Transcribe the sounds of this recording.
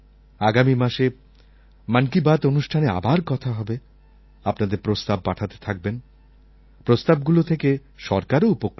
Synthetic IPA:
aɡamimaʃe | mankibat̪onuʃʈʰanea̰baɾkɔt̪ʰaɦɔbe | apnad̪eɾpɾost̪ab̚ːaʈʰat̪e̥t̪ʰak̚ben | pɾost̪ab̚ɡulot̪ʰekeʃɔɾkaɾoupok

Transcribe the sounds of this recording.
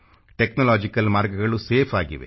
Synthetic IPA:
ʈeknɐlaːd͡ʒikɐlmaːɾɡɐɡɐɭuseːpʰaːɡḭʋḛ

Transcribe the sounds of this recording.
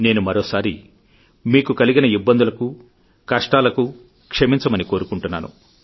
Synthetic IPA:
ne̞ːnumɐɾoːsaːɾi | miːkukɐliɡinɐibːɐnd̪ulɐku | kɐʂʈaːlɐku | kʂɐmiɲt͡ʃɐmɐniko̞ːɾukuɳʈunːa̰ːnṵ

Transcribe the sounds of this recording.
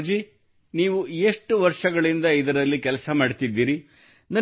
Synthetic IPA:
d͡ʒi | niːʋueʂʈuʋɐɾʂɐɡɐɭind̪ɐid̪ɐɾɐlːikɛlɐsɐmaːɖt̪id̪ːiːɾi | nɐ

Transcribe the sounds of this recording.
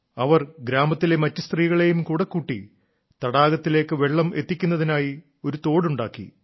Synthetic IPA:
ɐʋɐrɡɾaːmɐt̪ːile̞mɐtːɐst̪riːɣɐɭe̞jumkuːɽɐkːuʈːḭ | t̪ɐɽaːɡɐt̪ːile̞ːkːɨʋe̞ɭːɐmʔe̞t̪ːikʲːunːɐðinaːji | o̞ɾut̪o̞ːɽuɳɖaːkːḭ

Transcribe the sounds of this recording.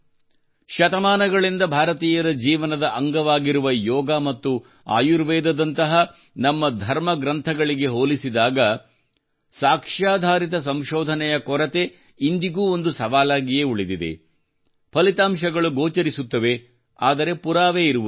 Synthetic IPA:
ʃɐt̪ɐmaːnɐɡɐɭind̪ɐbʱaːɾɐt̪iːjɐɾɐd͡ʒiːʋɐnɐd̪ɐʔɐŋɡɐʋaːɡiɾuʋɐjɔːɡaːmɐt̪ːu | a̰ːjuɾʋɛːd̪ɐd̪ɐnt̪ɐɦɐ | nɐmːɐd̪ʱɐɾmɐɡɾɐnt̪ʰɐɡɐɭiɡe̞ɦoːlisid̪aːɡɐ | saːkʂaːd̪ʱaːɾit̪̬ɐs̬ɐmʃɔːd̪ʱɐnɛjɐkɔɾɐt̪e̞ | ind̪iɡuːo̞nd̪usɐʋaːlaːɡijeuɭid̪id̪e̞̰ | pʰɐlit̪aːmʃɐɡɐɭuɡoːt͡ʃɐɾisut̪ːɐʋe̞ | aːd̪ɐɾe̞puɾaːʋeːiɾuʋu

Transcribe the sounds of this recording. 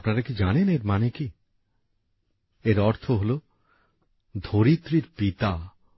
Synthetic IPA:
pnaɾakid͡ʒaneneɾmaneki | eɾɔɾt̪ʰoɦolo | d̪ʱoɾit̪ɾiɾpit̪a

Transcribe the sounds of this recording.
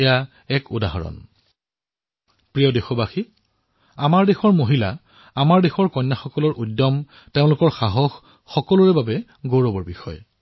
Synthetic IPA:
ja | ɛkʊ̰daɦɔɹɔ̰n | pɹijɔdexɔbaxi | amaɹdexɔɹmoɦila | amaɹdexɔɹkɔjnːaxɔkɔlɔɹʔudːɔm | teʊ̃lʊkɔɹxaɦɔxː | ɔkɔlʊɹɛbabɛ | ɡoɹɔbɔɹbixɔ̰j

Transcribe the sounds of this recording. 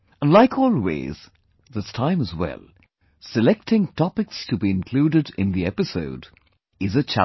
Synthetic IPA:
ə̃nlaɪkʰɔːlˠwḛɪz̥ | ðɪstʰãɪ̃məzwɛ̰lˠ | sɨlɛk̚tɪ̃ŋtʰɔpɪkstʰəbiɨ̃nkʰl̥uːɾɨɾɪ̰̃nðiɛpɨsoʊd | ɪzɨt͡ʃʰæ̰

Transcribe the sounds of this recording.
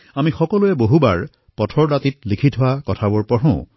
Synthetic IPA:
amixɔkɔluɛboɦuba̰ɹ | pɔtʰɔɹdatit̚likʰitʰɦʊwakɔtʰabʊɹpɔɹɔ̃ʊ̃

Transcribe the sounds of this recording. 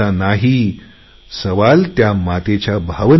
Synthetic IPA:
anaɦiː | səʋalt̪jamat̪et͡ɕjabʱaʋə

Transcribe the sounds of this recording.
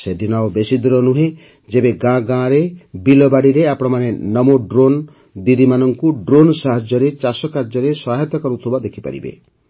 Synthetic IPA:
sed̪inaobesid̪ɾɔnuɦe | d͡ʒebeɡãɡãɾebilɔbaɽiɾeapɔɽ̃ɔmanenɔmoɖɾon | d̪id̪imanɔŋkuɖɾonsaɦɔd͡ʒɔɾet͡ʃasɔkaɾd͡ʒɔɾesɔaɦet̪ɔkɔɾut̪ʰɔbad̪ekʰipa̰ɾḭbḛ

